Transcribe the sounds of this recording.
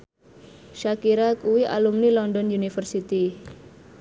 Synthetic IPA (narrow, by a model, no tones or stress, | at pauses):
ʃakiɾakuwia̰lumnilɔndɔnjunifərsit̪i